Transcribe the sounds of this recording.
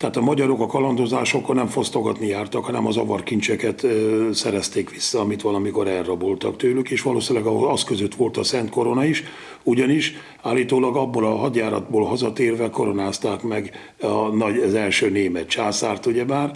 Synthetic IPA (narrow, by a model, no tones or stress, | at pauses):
t̪ɛat̪ɒmɒɟɒɾo̞kɒkɒlɒnd̪o̞zaːʃo̞konɛɱfo̞st̪o̞ɡɒt̪nijaːrt̪ɒkhɒnɛmɒzɒvɒrkint͡ʃɛkɛt̪sɛɾɛst̪eːkʋisːɒːmit̪ʋɒlɒmiko̞ɾɛlːɒbolt̪ɒ̰kt̪øːlykeːʃʋɒlo̰ːsinlɛɡɒɒskøzøt̪ʋo̞lt̪ɒsɛnt̪ko̞ɾo̞nɒiʃ | uɟɒniʃ | aːlːiːt̪oːlɒɡɒbːolɒɦɒd̪jaːɾɒ̰d̪boːlɦɒzɒt̪eːrvɛlko̞ɾo̞naːst̪aːkmɛɡ | ɒnɒɟzɛlʃøːneːmɛt̪t͡ʃaːsaːrt̪uɟɛmaːr